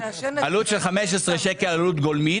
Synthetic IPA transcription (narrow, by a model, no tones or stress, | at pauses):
alut̪ʃelχameʃ̬esʁeʃekelalut̪ɡolmi